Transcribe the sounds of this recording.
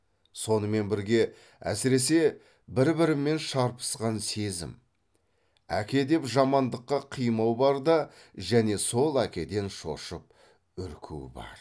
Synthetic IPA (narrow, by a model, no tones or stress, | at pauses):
so̞nəme̞nbɪɾɡʲe̞ | æ̰sɪɾe̞s̬e̞ | bɪɾbɪɾɪme̞nʃɑɾpə̥sqɑnse̞zɪ̰m | æ̰kʲe̞d̪e̞pʒɑmɑnd̪əqːɑqʰijmɑwbɑɾd̪ɑ | ʒæne̞so̞lˠækʲe̞d̪e̞nʃo̞̰ʃəp̚ | ʏɾkʲʰṵɪ̰bɑ̰ɾ